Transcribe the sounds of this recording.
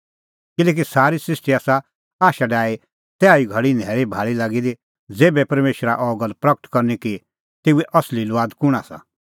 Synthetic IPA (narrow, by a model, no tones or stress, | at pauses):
kɪlɛːk̬isaːɾisɾɪsʈiaːsa | aːʃaɖaːe | t̪ɛaːiɡʱɐɽinʱɛːɾibʱaːɭilaːɡid̪i | d͡zeːbɛpɐɾmeːʃɾaʔɔːɡəlpɾɐkə̥ʈ̪kɐɾniki | t̪eːuɛʔɐslilʋaːd̪kʊɽ̃asa̰